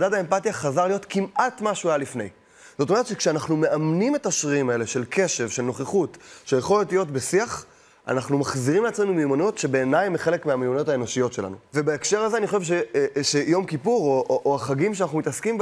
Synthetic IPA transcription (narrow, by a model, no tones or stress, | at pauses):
dadae̞mpatijaχazaʁlijo̞tkimʔatmaʃuajalifne̞j | z̥o̞t̪̬o̞meett͡ʃʃekʃeanaχnume̞ʔamnime̞taʃʁiimae̞leʃe̞lkʰe̞ʃe̞vʃe̞lno̞χeχutʃejeχolotlijo̞tbesiaχ | a̰naχnumaχziʁimleat͡sme̞numimano̞tʃe̞be̞ːnajmeχe̞lekmeamimano̞tae̞no̞ʃijo̞tʃe̞la̰nuve̞baekʃe̞ʁazeaniχo̞ʃevʃ̬eʃe̞jo̞mkipuʁoʔoʔoaχaɡimʃeanaχnumit̪askimb